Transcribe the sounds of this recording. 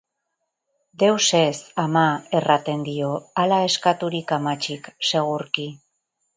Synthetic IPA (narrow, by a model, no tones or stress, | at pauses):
d̪e̞wse̞samaerat̪e̞nd̪io̞alae̞skat̪uɾikamat͡ʃikse̞ɣ̞uɾki